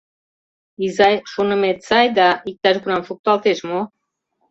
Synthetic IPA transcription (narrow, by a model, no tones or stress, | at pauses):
izɑjʃunə̆met̪sɑjd̪aik̚t̪ɑʒɡunɑmfuk̚t̪uɑlt̪eʃmo